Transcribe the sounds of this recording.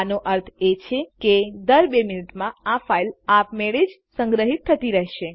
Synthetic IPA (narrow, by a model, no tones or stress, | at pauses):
noʔəɾt̪ʰet͡ʃʰeked̪əɾbeminiʈmãafailapmeɭed͡ʒ | sə̃ŋɡɾəɦit̪ʰːət̪iɾəɦʃe